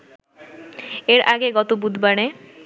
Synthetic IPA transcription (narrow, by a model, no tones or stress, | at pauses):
eɾaɡeɡɔt̪obud̪ʱbaɽ̃e